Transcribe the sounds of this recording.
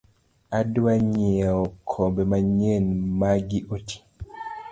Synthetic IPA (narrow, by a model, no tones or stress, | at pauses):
adwaɲɛɔkʰɔbɛmaɲenmaɡiʔotʰi̥